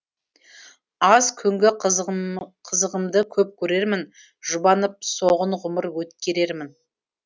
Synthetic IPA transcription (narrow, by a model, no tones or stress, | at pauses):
ɑzkʲʰʏŋɡʲɪ | qʰəzəʁəmd̪əkʲʰɵp̚kʲʰɵɾe̞ɾmɪn | ʒ̥ʊbɑnəp̚soʁəɴʁʊməɾwɵt̪kʲe̞ɾe̞ɾmɪn